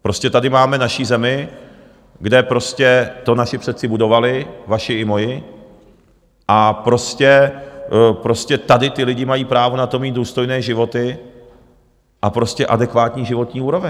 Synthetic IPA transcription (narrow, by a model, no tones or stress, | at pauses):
pɾo̞scɛt̪adɪmaːmɛnaʃiːzɛmɪ | ɡdɛpɾo̞scɛt̪o̞naʃɪpsɛt̪t͡sɪbudo̞valɪvaʃɪɪmo̞jɪ | ʔapɾo̞scɛ | pɾo̞scɛt̪adɪt̪ɪlɪɟɪmajiːpɾaːvo̞nat̪o̞miːt̪̚duːst̪o̞jnɛːʒɪvo̞t̪ɪ | ʔapɾo̞scɛʔa̰dɛkvaːt̪ɲiːʒɪvo̞t̪ɲiːuːɾo̞vɛ